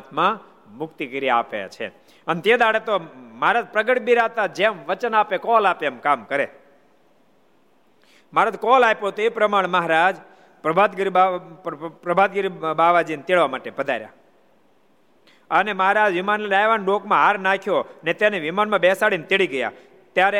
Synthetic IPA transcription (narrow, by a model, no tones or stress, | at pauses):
t̪ʰmã | mʊkt̪ikəɾijaapeja̰t͡ʃʰḛ | ənt̪ed̪aɽet̪omaɾad̪̚pɾəɡəʈbiɾat̪ad͡ʒemʋət͡ʃənaːpekɔlapemkamkəɾḛ | maɾad̪kɔlapot̪oepɾəmaɽ̃eməɦaɾad͡ʒ | pɾəbʱad̪ɡɾia | pɾəbʱad̪̚ɡəɾibaʋad͡ʒint̪eɭʋamaʈepəd̪ʱa̰ɾja̰ | əneməɦaɾad͡ʒʋɪmanlnajʋanɖokmãɦaɾnakʰjonet̪eneʋimanmãbesaɽint̪eɭiɡəja̰ | t̪jaɾe